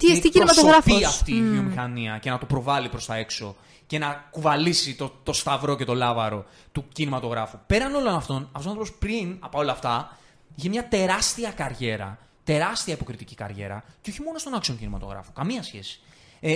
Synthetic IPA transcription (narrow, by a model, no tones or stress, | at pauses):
t̪iet̪iinomɐt̪oɾɐfpiɐft̪iːvio̞mixɐniɐce̞nɐt̪opɾo̞vɐlipɾo̞st̪ɐe̞kso̞ | ce̞nɐkuvɐlisit̪ot̪o̞st̪ɐvɾo̞ce̞t̪o̞lɐvɐɾo̞ | t̪ucinimɐt̪o̞ɣɾɐfupe̞ɾɐno̞lo̞nɐft̪o̞nɐfosnt̪opospɾinɐpɐo̞lɐːft̪ɐ | içemɲɐt̪e̞ɾɐst̪iɐkɐɾʝe̞ɾɐ̰ | t̪e̞ɾɐst̪iɐipo̞kɾit̪icikɐ̰ɾʝe̞̰ɾɐ̰ceo̞çimo̞no̞st̪o̞nɐksoɲcinimɐt̪o̞̰ɣɾɐ̰fo̥kɐmiɐsçe̞̰si̥ | e